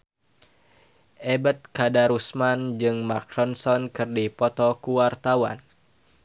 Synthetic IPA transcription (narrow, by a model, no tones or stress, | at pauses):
ʔebət̪̚kadaɾusmand͡ʒɨŋmakɾɔnsɔnkɨrdipɔt̪ɔkuwart̪awa̰n